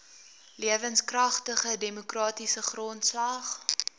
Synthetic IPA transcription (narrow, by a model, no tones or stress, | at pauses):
liəvənskrɐχtəχədemukrɑːtisəχrɔntslɐχ